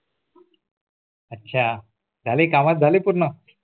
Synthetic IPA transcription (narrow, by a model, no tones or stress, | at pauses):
ətːɕʰa | d͡zʱalekamat̪̚d͡zʱalepuɾnə